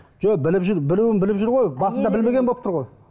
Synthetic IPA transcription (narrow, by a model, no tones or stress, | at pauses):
ʒ̥obɪlɪpʒʏɾbɪluwɪnbɪlɪpʒɪɾʁo̞jbɑsənd̪ɑbɪlme̞ɡʲebolˠpt̪ʊɾʁoj